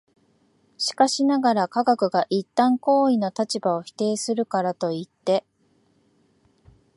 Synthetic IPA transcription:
ɕi̥kaɕinaɡaɾakaɡakɯ̟ɡaʔit̪ːãŋko̞ːino̞t̪at͡ɕibao̞çi̥t̪e̞ːsɨɾɯ̟kaɾat̪o̞it̪ːe̞

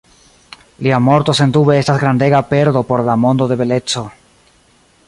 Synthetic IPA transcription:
liamo̞ɾt̪o̞se̞nd̪ube̞e̞stasɡɾand̪e̞ɡape̞ɾd̪o̞po̞ɾlamo̞nd̪o̞d̪e̞βe̞le̞t͡so̞

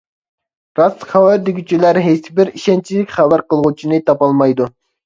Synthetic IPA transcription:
ɾɑsχɑwɑd̪iɡʲyt͡ʃʰilæɾɦejsɪbɪɾiʃɛnt͡ʃʰilɪkʲχæbæɾqəlˠʁut͡ʃʰinɨt̪ʰɑpɑlˠmɑjd̪u

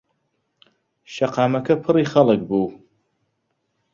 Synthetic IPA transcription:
ʃaqʰaːmɐkʰɐpʰɨriχɐlaɡbuw

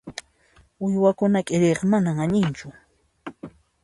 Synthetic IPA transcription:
ʊjwakʊnakʼɪɾeqmanamaɲɪnt͡ʃʊ

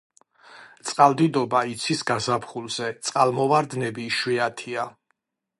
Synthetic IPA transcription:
t̪sʼqʼald̪id̪ɔbait̪sʰisɡazapχulˠzɛt̪sʼqʼalˠmɔvaɾd̪nɛbiʃwiat̪ʰia

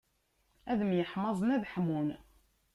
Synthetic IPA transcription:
æðəmjəħmɑzˤənæðħmun

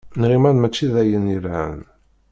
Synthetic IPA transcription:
nʁimænmæt͡ʃːiðæjənjəɾʕə̰n

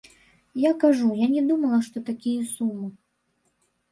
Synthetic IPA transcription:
jakaʐujanʲɛd̪umɐlˠɐʂt̪ɔt̪akʲijɐsumːɨ

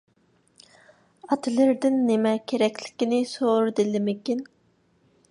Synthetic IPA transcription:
ɑt̪ʰɨlˠɪɾd̪ɪnːemɛkʲʰeɾɛkʲlɪ̥kʲinɪsoɾɨd̪ɪlɪmɪkʲin

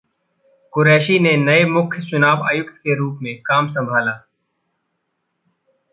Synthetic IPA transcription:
kʊɾɛːʃinenɐemʊkʰjsʊnaːbaːjʊkt̪keɾuːpmẽkaːms̬ɐ̃mbʱaːlaː

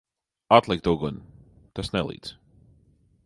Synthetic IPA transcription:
at̪lˠikt̪uɡɔn | t̪asnɛlˠḭːd̪s

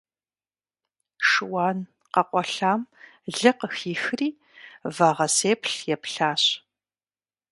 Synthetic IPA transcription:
ʂɨwɑːn | qɐqʷʼɔɬaːmɮɨqəxiːxriː | vaːʁɐseːpʰɬjɛpɬaːɕ

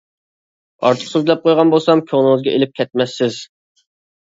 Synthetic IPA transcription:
ɑ̰ɾt̪ʰə̥χsuzlɛp̚qʰojʁɑnbolˠsɑmkʲʰøŋnˠɨŋɨzɡʲɛʔelɪp̚kʲʰɛt̪̚mɛsːɪz

